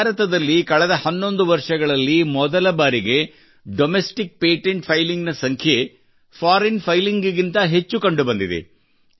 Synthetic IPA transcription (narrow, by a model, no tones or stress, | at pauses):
ɾɐt̪ɐd̪ɐlːikɐɭɛd̪ɐhɐnːo̞nd̪uʋɐɾʂɐɡɐɭɐlːimɔd̪ɐlɐbaːɾiɡe̞ | ɖomesʈik̚peːʈeɳʈpʰɐjliŋɡnɐsɐŋkʰje | pʰaːɾenpʰɐjliŋɡɡint̪ɐɦe̞t͡ʃːukɐɳɖubɐnd̪id̪ḛ